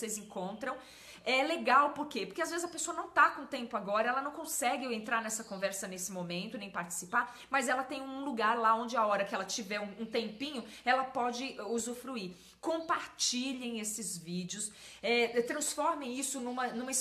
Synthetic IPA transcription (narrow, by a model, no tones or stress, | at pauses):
sezẽŋkõnt̪ɾɐ̃w̃ | ɛleɡawpoɾkepoɾkeazvezɪzɐpesoɐnɐ̃w̃t̪akõt̪ẽmpʊaɡɔɾɐɛlɐnɐ̃w̃kõsɛɡɪẽnt̪ɾaɾnɛsɐkõvɛɾsɐnesɪmõmẽnt̪ʊnẽj̃paɾt͡ʃɪ̥sipaɾ | mɐzɛlɐt̪ẽj̃ũluɡaɾlaõnd͡ʒɪaɔɾɐkɪɛlɐt͡ʃivɛũũt̪ẽmpĩɲʊɛlɐpɔd͡ʒɪʔuzufɾui | kõpaɾt͡ʃiʎẽj̃esɪzvid͡ʒɪʊs | ɛɛt̪ɾɐ̃sfɔɾmẽj̃isʊnũmɐnũmɐis